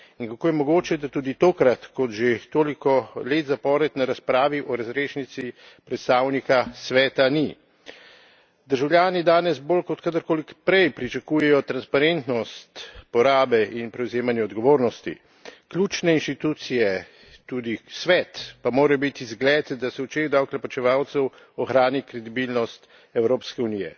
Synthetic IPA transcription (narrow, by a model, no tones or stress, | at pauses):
inkakoːjɛmɔɡoːt͡ʃɛd̪at̪uːd̪it̪oːkɾat̪kɔt̪ʒet̪oːlikɔleːt̪zapɔːɾɛt̪naɾaspɾaːʋiʔɔɾazɾeːʃnit̪si | pɾɛt̪st̪aːwnikasʋɛːt̪ani | d̪əɾʒawlʲjaːnid̪aːnɛzboːlkɔt̪kad̪əɾkoːlikpɾɛjpɾit͡ʃakuːjɛjɔt̪ɾanspaɾent̪nɔst̪pɔɾaːbɛʔinpɾɛwzeːmanjɛɔd̪ɡɔʋoːɾnɔst̪ḭ | klʲuːt͡ʃnɛinʃt̪it̪uːt̪sijɛ | t̪uːd̪isʋɛt̪pamoːɾajɔbit̪izɡlɛːt̪d̪asɛut͡ʃeɣd̪awklɛpat͡ʃɛʋaːwt̪sɛw | ɔxɾaːnikɾɛd̪ibilnɔst̪ | ɛwɾoːpskɛunijɛ̰